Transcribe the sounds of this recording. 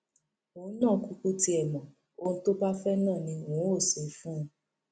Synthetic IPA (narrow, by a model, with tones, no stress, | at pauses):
õ˨˦nã˦˨ku˧ku˧ti˧ɛ˨mɔ̃˨ | o˦ñ̩˦to˦ba˦fɛ˦nã˦˨nĩ˧wõ˨˦o˦˨se˨˦fũ˦˧˦